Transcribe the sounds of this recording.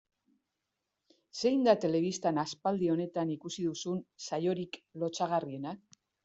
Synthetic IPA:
se̞jnd̪at̪e̞le̞β̞ist̪anaspald̪io̞ne̞t̪anikusiðusunsajo̞ɾiklo̞t͡saɣ̞arie̞na

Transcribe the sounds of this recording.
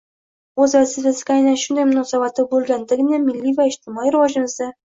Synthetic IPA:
ɵzvasifʲasɪ̥ɡʲaːjnanʃʊnd̪ajmʊnɒsabat̪ɪbɵlˠɡʲand̪ɪɡʲɪnemɪlːivaɪʃt̪ʰɪmɒijɾɪvɒʒɪmɨzd̪a

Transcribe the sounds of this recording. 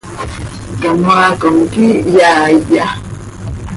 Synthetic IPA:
kamwakoŋkijaija

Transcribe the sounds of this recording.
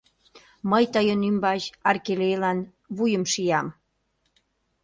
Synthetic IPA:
məjt̪ɑjonymbɑʑɑrkelejlɑn | βujəmʃijɑm

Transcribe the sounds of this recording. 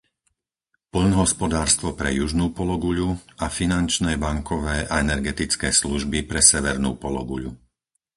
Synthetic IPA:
pl̩nɦɔspɔd̪aːɾst̪ʋɔpɾɛ̰juʒnuːpɔlɔɡuʎuafinant͡ʃnɛːbaŋkʰɔʋɛːʔaɛnɛɾɡɛt̪it͡skɛːsluʒbipɾɛsɛʋɛɾnṵːpɔlɔ̰ɡuʎṵ

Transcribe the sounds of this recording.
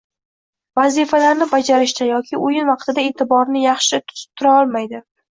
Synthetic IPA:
vazifalaɾnɪbad͡ʒaɾɪʃt̪ʰajɒkʲʰɪʔʊjɪnvɑqt̪ʰɪd̪ae̞t̪ʰɪbɒɾnɪjɑχʃɪt̪ʰʊ̥z̥ɪ̥p̚t̪ʰʊɾaɒlˠmajd̪ɪ

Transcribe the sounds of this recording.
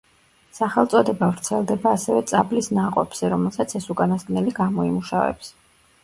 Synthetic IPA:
saχɛlˠt̪sʼɔd̪ɛbavɾt̪sʰɛlˠd̪ɛbaːsɛvɛt̪sʼablisnaqʼɔbz̥ɛɾɔmɛlˠsat̪sʰɛsukʼanasɡnɛliɡamɔimuʃa̰vɛ̰ps

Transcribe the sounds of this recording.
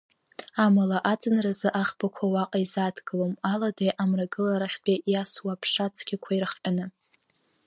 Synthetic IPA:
amalaʔat͡sʼɨnrazɨʔaχbakʷʰawaqʼaizatʰɡɨlomaladajʔamraɡɨlaɾaχʲtʼejaswapʰʂat͡sʰɡ̥ʲɪkʷʰairɨχqʲʼanɨ

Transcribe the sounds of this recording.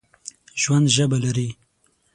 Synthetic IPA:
ʒwand̪ʒəbalaɾi

